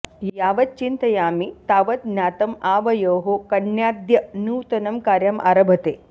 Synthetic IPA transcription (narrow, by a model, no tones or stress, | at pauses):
jjaːʋɐt̪̚t͡ʃint̪ɐjaːmit̪aːʋɐt̪̚njaːt̪ɐmaːʋɐjoːɦokɐɳjaːd̪jɐnuːt̪ɐnɐmkaːɾjɐmʔa̰ːɾɐbʱɐt̪eː